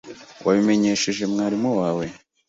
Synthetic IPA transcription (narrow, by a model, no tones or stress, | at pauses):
wʔa̰βime̞ɲe̞ːʃeʒe̞mŋaːɾimowaːwe̞